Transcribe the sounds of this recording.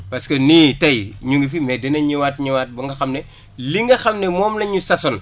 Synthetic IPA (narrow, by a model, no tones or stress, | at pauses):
pɐskɐniːtɐjɲuŋɡifimɛdɛnɐɲiwaːtɲiwaːt̚bɐŋɡɐxɐmnɛ | liŋɡɐxɐmnɛmɔːmnɐɲusɐsɔn